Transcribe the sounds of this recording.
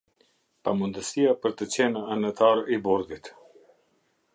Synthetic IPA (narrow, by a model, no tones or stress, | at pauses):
pamund̪əsijapəɾt̪ət͡ɕɛnaanət̪ʰaɾibɔɾd̪it̪